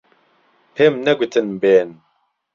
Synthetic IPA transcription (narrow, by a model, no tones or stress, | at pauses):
pʰemnɐɡʷit̪ʰɨnbeːn